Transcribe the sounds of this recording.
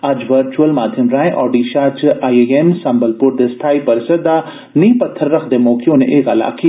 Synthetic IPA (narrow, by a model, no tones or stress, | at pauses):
aːd͡ʒʋəɾt͡ʃuəlmaːd̪ʱjəmɾaːẽʔɔːɾɖiːʃaːt͡ʃaːieemsɐ̃mbəlpʊɾd̪esʈ̪ʰaːipɐɾsɐd̪a | niːpɐt̪ʰːəɾːɐkʰd̪emoːkijõneʔeːkala̰ːkːi